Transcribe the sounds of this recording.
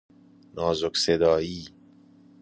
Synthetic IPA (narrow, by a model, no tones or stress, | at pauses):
nɒːzoksed̪ɒːiː